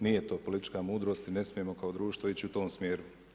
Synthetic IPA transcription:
nije̞t̪o̞ːpo̞lit̪i̥t͡ʃkamuːd̪ɾost̪ine̞smijemo̞kaod̪ɾuːʃt̪ʋoit͡ɕiut̪o̞ːmsmʲjeːɾu

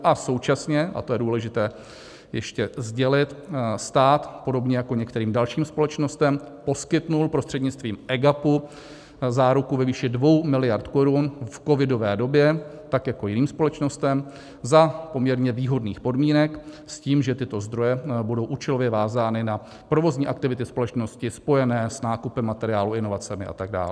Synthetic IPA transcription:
ʔaso̞wt͡ʃasɲɛʔa̰t̪o̞jɛduːlɛʒɪt̪ɛː | jɛʃcɛzɟɛlɪt̪st̪aːt̪po̞do̞bɲɛjako̞ɲɛk̚t̪ɛɾiːmdalʃiːmspo̞lɛt͡ʃno̞st̪ɛmpo̞skɪt̪nulpɾo̞st̪r̥ɛdɲɪt͡st̪viːmʔɛɡapu | zaːɾukuvɛviːʃɪdvo̞wmɪlɪjaɾt̪ko̞ɾunfko̞vɪdo̞vɛːdo̞bjɛt̪akjako̞jɪniːmspo̞lɛt͡ʃno̞st̪ɛm | zapo̞mɲɛɾɲɛviːɦo̞dniːxpo̞dmiːnɛk | sciːmʒɛt̪ɪt̪o̞zd̪ɾo̞jɛbudo̞wʔuːt͡ʃɛlovjɛvaːzaːnɪna | pɾo̞vo̞zɲiːʔak̚t̪ɪvɪt̪ɪspo̞lɛt͡ʃno̞scɪspo̞jɛnɛːsnaːkupɛmːat̪ɛɾɪjaːluɪno̞vat͡sɛmɪʔa̰t̪aɡ̚da̰ːlɛ

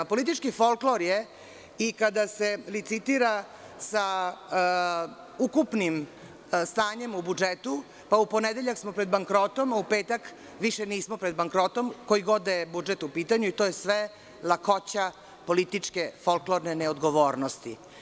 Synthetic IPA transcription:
polit̪̬it͡ʂkifolkloɾje | ikad̪ase̞lit̪sit̪iɾa | sa | ukupnim | st̪aːɲemubud͡ʒet̪u | pauponed̪eʎaksmopɾed̪baŋkɾo̞t̪o̞maupe̞ːt̪ak | ʋiʃeniːsmopɾed̪̚baŋkɾot̪o̞mko̞jiɡo̞d̪ebud͡ʒet̪upiːt̪aɲuit̪o̞ːjesʋe | lakot͡ɕa | po̞lit̪it͡ʂkefolkloɾneneod̪ɡoʋoːɾnost̪ḭ

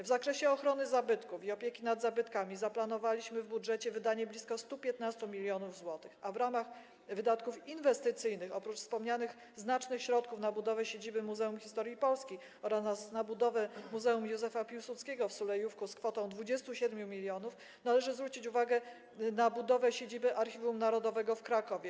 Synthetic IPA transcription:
vzakɾɛɕɛɔxɾɔnɘzabɘt̪kufiɔpʲjɛkʲinad̪zabɘt̪kamʲizaplan̪ɔvalʲiɕmɘvbudʐɛt͡ɕɛvɘd̪aɲɛblʲiskɔst̪upʲjɛt̪nast̪umʲilʲjɔnuvzwɔt̪ɘ̥xavɾamax | vɘd̪at̪kufinvɛst̪ɘt̪sɘjnɘxɔpɾut͡ʂfspɔmɲanɘx | znat͡ʂnɘxɕɾɔt̪kufnabud̪ɔvɛɕed͡ʑibɘmuzɛumxʲist̪ɔɾjipɔlskʲi | ɔɾasasnabud̪ɔvɛmuzɛumjuzɛfapʲiwsut̪skʲeɡɔfsulɛjufkuskfɔt̪ɔ̃w̃d̪vud͡ʑɛst̪uɕɛd̪mʲjumʲilʲjɔnuf | nalɛʐɘzvɾut͡ɕit͡ɕuvaɡɛ | nabud̪ɔvɛɕed͡ʑibɘʔaɾxʲiumnaɾɔd̪ɔvɛɡɔfkɾakɔvʲjɛ

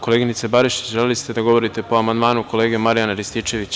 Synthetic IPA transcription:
ko̞lˠeɡinit̪sebaɾiʃi̥t͡ɕʒelelist̪e̞d̪aɡo̞ʋo̞ɾit̪e̞po̞amand̪maːnuko̞le̞ːɡemaɾijanaɾist̪iːt͡ʃe̞ʋit͡ɕ

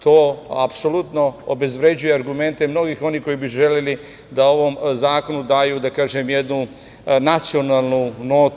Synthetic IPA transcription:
t̪oːapso̞lˠut̪no̞o̰be̞zʋɾe̞d͡ʑujeaɾɡume̞nt̪e̞mno̞ɡiːxo̞niko̞jibiʒe̞leli | d̪ao̞ʋo̞mzaːko̞nud̪aːjuːd̪akaːʒemjed̪nu | nat̪sio̞naːlˠnuno̞ːt̪

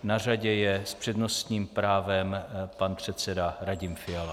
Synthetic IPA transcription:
naraɟɛjɛspr̝̥ɛdno̞st̪ɲiːmpɾaːvɛmpanpr̝̥ɛt̪sɛdaɾaɟɪmfɪala

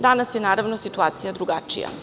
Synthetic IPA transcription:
d̪anasjenaːɾaʋnosit̪uaːt̪sijad̪ɾuɡa̰t͡ʃḭja̰

